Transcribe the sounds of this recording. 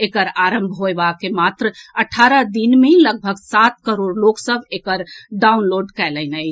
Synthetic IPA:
ekəɾaɾəmbʱɦoebakemat̪ɾəəʈʰːaɾəd̪inmeləɡ̚bʱəɡsat̪̚kəɾoɾloksəbʱekəɾɖaunloɖkɛjlənəj

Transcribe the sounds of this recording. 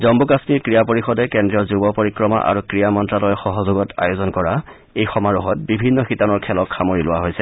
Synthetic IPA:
zɔmbukasmiɹkɹijapoɹixɔdɛkɛndɹiɔzubɔpoɹikɹɔma̰ʔa̰ɹukɹijamɔntɹalɔjxɔɦɔzoɡɔtʰa̰jozɔnkɔɹa | ejxɔmaɹuɦɔt̚bibʱinːɔxitanɔɹkʰɛlɔkʰːamoɹilʊwaɦojsɛ

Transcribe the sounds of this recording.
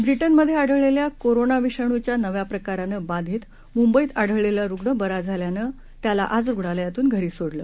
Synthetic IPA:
bɾiʈənməd̪ʱːjeaɽ̤əʋɭeljakoɾonaʋiʂəɳ̃ut͡ɕjanəʋjapɾəkaɾanəbãd̪ʱiːt̪ | mumbəiːt̪aɽ̤əʋɭeljaɾuɡɳəbəɾad͡zʱaljanə | t̪jala̰ʔad͡zɾuɡɽaljat̪uːnɡʱəɾiːsoɽləː

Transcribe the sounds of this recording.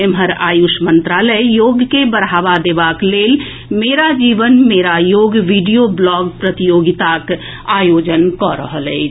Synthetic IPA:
emɦəɾa̰ːjuʃmə̃nt̪ɾaːləjjoːɡkebəɾaːʋad̪eːʋakleːl | meːɾad͡ʒiːʋənmeːɾajoːɡʋiɖijoblɔːɡpɾət̪ijoːɡɪt̪ak | aːjoːd͡ʒənkɔɾə̰ɦəlɛ̰

